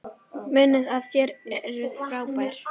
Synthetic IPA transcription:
mɪnːɪðaðçjɛɾɛɛɾɪð̥fɾaːwpajɾ̥

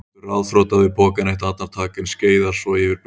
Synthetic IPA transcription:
ɾaðfɾoːwt̪aðɪpʰɔːkaneht̪at̪naɾ̥t̪ʰaːkɪnsceːjðḁsɔjɛvɪɾp

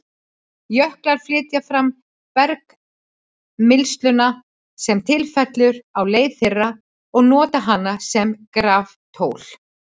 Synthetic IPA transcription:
jœhklaɾ̥flɪːt̪jafɾam | pɛɾk | mɪlst̪lʏna | sɛmt̪ʰɪlfɛt̪lʏɾawleːjðθɪrːa | ɔɣnɔːt̪aɦanːasɛmkɾaːf | t̪ʰoːwl̥

